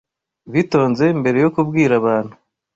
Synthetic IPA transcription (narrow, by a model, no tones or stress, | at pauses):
βito̞ːnze̞mbe̞ɾe̞jo̞kubɡiːɾaβaːn̥hu